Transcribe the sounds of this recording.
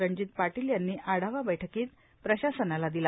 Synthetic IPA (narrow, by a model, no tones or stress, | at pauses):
ɾəɲd͡ʑiːt̪̚paʈiljanːiːʔaɽ̤aʋabəjʈʰəkiːt̪ | pɾəɕasənalad̪ila